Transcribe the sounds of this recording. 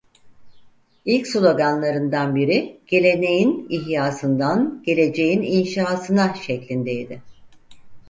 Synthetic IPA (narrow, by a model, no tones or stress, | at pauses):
ilʲcslʲˠo̞ɡanlˠaɾɯnd̪anbiɾiɟ̥e̞lʲe̞ne̞jiniɦjaːsɯnd̪anɟ̥e̞lʲe̞d͡ʒe̞jininʃaːsɯnaʃɛclʲind̪e̞jd̪ɪ